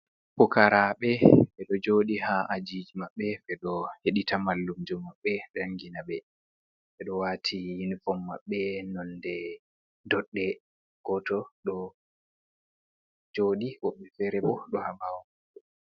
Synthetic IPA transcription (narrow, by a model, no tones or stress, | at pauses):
pukaɾaɓɛfɛɗɔd͡ʒoɗihaʔad͡ʒid͡ʒmaɓːɛfɛɗɔheɗitamalːumd͡ʒumːaɓːɛɗaŋɡinaɓɛ | fɛɗɔwaːtʰihinfɔmːa̰ɓːɛnɔndɛ | dɔɗːɛ | ɡ̥ɔtɔɗɔ | d͡ʒoɗiwɔɓːɛfɛɾɛbɔɗɔhabawɔmaɛ